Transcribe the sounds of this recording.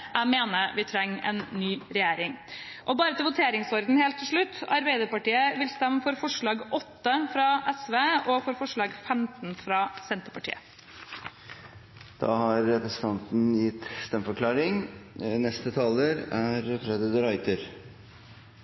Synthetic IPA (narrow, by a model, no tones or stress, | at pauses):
ʔæɪmeːnəɾʋɪt̪ʰɾɛŋːɛ̰nːyːɾɛjeːɾɪŋʔɔbɑːɾət̪ʰɪlʋʊt̪ʰeːɾɪŋsɔɾd̪n̩heːlt̪ːɪʂɭʉt̪ːɑ̰ɾbæɪd̪əɾpɑʈiːəʋɪlst̪ɛmːəfɔɾfɔʂɭɑːɡɔt̪ːəfɾɑʔɛsʋeːɔfɔɾfɔʂɭɑːɡfɛmt̪n̩fɾɑsɛnt̪əɾpɑʈʰḭːə | d̪̥ɑ̰ːhɑɾɾɛpɾəsən̩t̪ʰɑnt̪n̩jɪt̪ːst̪ɛmːfɔɾkʰlɑːɾɪŋnɛst̪ət̪ʰɑːləɾæɾfɾɛd̪əd̪ʉɾɑɪt̪ʰəɾ